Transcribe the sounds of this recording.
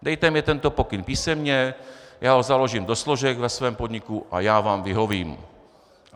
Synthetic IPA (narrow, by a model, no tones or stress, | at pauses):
d̪ɛjt̪ɛmɲɛt̪ɛnt̪opokɪnpiːsɛmɲɛjaːɦozalo̞ʒimd̪osloʒɛkvɛsvɛːmpod̪ɲɪkuʔa̰jaːvaːmvɪɦoviːm